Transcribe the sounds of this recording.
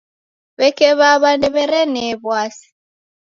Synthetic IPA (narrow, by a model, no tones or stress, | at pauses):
βɛkɛβaβandɛβɛɾɛnɛβwasi̥